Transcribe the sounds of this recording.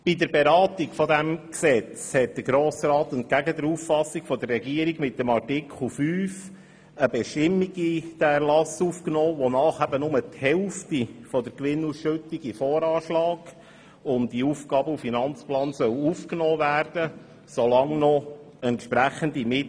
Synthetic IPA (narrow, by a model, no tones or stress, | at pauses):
b̥id̪əɾbeɾɑːtikfɔd̪æmksɛt͡shɛt̚d̥̪əɾɡɾoːsɾɑːt̪ənt̚ɡ̥æɡəd̪əɾuffɑsːikfɔdərːɛɡiəɾiɡmɪtːəmɑrtɪkχl̩ˠfyːf | əbɛʃtɪmːiɡid̥æɛɾlɑsuːfknɔːʋonɑːχæbənʊmət̪hɛlftifɔd̪əɾkʋɪnusʃʉtːiɡifɔːɾɑːʃlɑːɡ | ʊntdiufɡ̥ɑːbəufinɑnt͡splɑːnsœwuːfknɔːvæːɾd̥ə | solɑŋnɔ | ɛntʃpɾæχənd̪imɪ